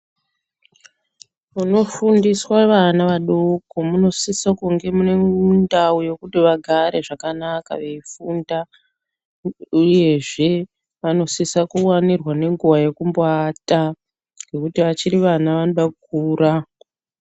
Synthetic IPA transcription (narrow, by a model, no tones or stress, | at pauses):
muno̞fundiswaʋanaʋaɗoko̞muno̞sisakuŋɡe̞mune̞undaujo̞kutiʋaɡʱaɾe̞ʐakanaka̰ʋe̞ifunda | uje̞ʐe̞ | ʋano̞sisakuwanirwane̞ŋɡuwaje̞kumboata | ŋɡe̞kutiʋat͡ʃiɾiʋanaʋanoɗak̚uːɾa